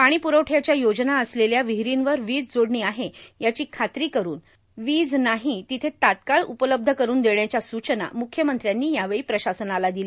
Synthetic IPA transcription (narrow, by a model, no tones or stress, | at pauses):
paɽ̃iːpuɾowʈʰjat͡ɕjajod͡znaəsleljaʋiɦɾinʋəɾʋiːd͡zd͡zoɽɳiːaɦejat͡ɕiːkʰat̪ɾiːkəɾuːn | ʋiːd͡znaɦit̪it̪ʰet̪at̪kaɭupələb̚d̪ʱəkəɾuːnd̪eɳjat͡ɕjasut͡ɕəna̰mukʰːjəmənt̪ɾjanːiːjaʋeɭiːpɾəɕasənalad̪ili